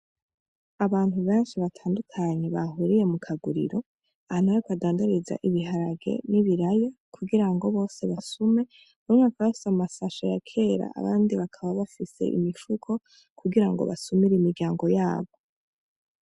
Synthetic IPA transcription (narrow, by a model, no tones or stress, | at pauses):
aβaːn̥uβe̞ːnʃiβatʰaːndukʰaɲe̞βaɦuɾije̞mukʰaɡuɾḭɾo̞ | ahanaikadaːndaɾiza̰ʔiβiɦaɾaɡe̞̰niβiɾajokʰuɡiɾaŋɡo̞βo̞ːse̞βasume̞ | numŋakaβafi̥samasaʃojakʰe̞ːɾa̰a̰βaːndiβakʰaβaβafise̞̰ʔḭmiʃukʰo̞ | kʰuɡiɾaŋɡo̞̰βa̰sumiɾimiɾɟaːŋɡo̞jaːβo̞